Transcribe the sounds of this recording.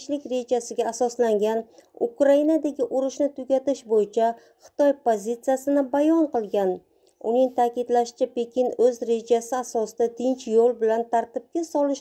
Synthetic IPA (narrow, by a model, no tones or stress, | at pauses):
ʃlɪkʲɾe̞d͡ʒasɪɡʲaːsɒslaŋɡʲanʊkɾainad̪aɡʲɪʔʊɾɪʃnɪt̪ʰʊɡʲat̪ɪʃbojɪt͡ʃʰa | χɨ̥t̪ʰɒjpozit̪sijasɪnɪbajɒɴqɨlˠɡʲan | ʊ̰nɪŋt̪ʰaːkʲɪd̪laʃɪ̥t͡ʃʰape̞kʲʰɪnɵzɾe̞d͡ʒasɪasɒsɪd̪ad̪ɪnt͡ʃʰjolˠbɪlant̪ʰaɾt̪ɪb̚ɡʲasɒlɪʃ